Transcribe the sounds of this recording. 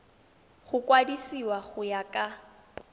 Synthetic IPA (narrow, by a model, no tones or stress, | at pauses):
χʊkʼwadisiwaχʊjakʼa